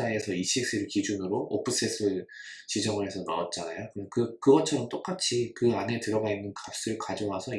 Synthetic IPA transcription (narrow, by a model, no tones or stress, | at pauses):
ae̞sʰʌiɕ͈ʰik̚s͈ɯɾɯɭkid͡ʑunɯɾoʔo̰pʰɯs͈ʰes͈ʰɯ | t͡ɕid͡ʑʌŋɯɭɦe̞sʰʌna̰ʌt̚t͡ɕ͈anajokɯkɯkɯɡʌt͡ɕʰʌɾʌmt͈ok͈at͡ɕʰikɯane̞tɯɾʌɡainːɯnkap̚s͈ɯɾɯɭkad͡ʑoŋasʰʌ